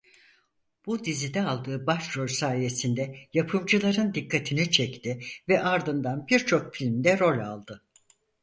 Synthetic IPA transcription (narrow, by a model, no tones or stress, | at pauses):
b̥ud̪izid̪ɛalˠd̪ɯːbaʃɾo̞lʲsaːje̞sind̪ɛjapʰɯmd͡ʒɯlˠaɾɯnd̪ikːat̪ʰinit͡ʃʰɛct̪ʰɪvɛʔaɾd̪ɯnd̪anbiɾt͡ʃʰo̞kfilʲmd̪ɛɾo̞lʲa̰lˠd̪ɯ